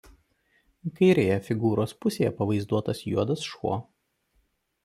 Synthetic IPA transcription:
kɐɪɾʲeːjɛfʲɪɡuːɾoːspʊsʲeːjɛpɐʋɐɪzd̪uɔt̪ɐsjṵɔd̪ɐsʃṵɔ

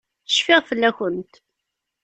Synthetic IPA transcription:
θə̥ʃfɪʁfəlːæçənt̪

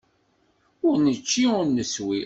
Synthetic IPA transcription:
ʊɾnət͡ʃːiʊɾnəswi

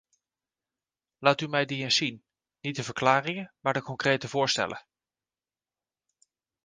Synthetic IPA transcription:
laːtymɛjdiɪnsin | nit̚dəvəɹklaːrɪŋəmaːɹdəkɔŋkrejtəvʊːɹstɛ̰lʔə̰

